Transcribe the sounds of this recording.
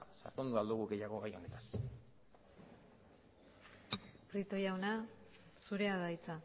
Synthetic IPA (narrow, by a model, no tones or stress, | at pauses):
sa̰ɾt̪ond̪uald̪uɣuɣe̞jaɣ̞o̞ɣajo̞ne̞t̪ḁs | pɾit̪o̞jawna | suɾe̞aðajt͡sa